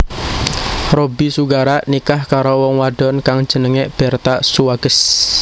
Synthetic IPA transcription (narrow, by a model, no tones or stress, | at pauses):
robisuɡaɾanikahkaɾowɔŋwaɖ̥ɔ̤nkaŋ̥d͡ʒ̥ə̤nəŋeb̥ɛrt̪asuwaɡ̥əs